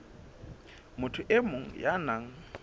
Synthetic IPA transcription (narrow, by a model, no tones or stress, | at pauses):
mʊtʰʊʔemoŋ̩janaŋ̩